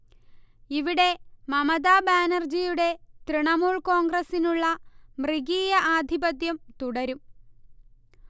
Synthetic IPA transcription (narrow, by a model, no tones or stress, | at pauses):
iʋiɽe̞mɐmɐðaːbaːnɐrd͡ʑijuɽe̞t̪riɳɐmuːɭko̞ːŋɡrɐsinuɭːɐmriɡiːjɐʔaːd̪ʱibɐt̪jɐmt̪uɽɐɾum